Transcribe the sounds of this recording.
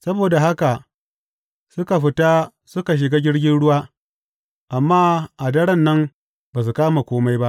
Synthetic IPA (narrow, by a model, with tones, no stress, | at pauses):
sɐ˦boː˨da˨ɦa˦ka˨ | sʊ˦ka˨ɸɪ˦ta˦ | sʊ˦ka˨ʃ̬ɪ˨ɡaː˦ɡʲɪ˦ɽɡʲɪ˦nɽʊ˦waː˦ | ʔa˨mːaː˦ʔa˨dɐ˦ɽɐ˦nːɐ˦m | baː˨s̬u˨kaː˦ma˨kʷoː˦ma˦jba˦ʔ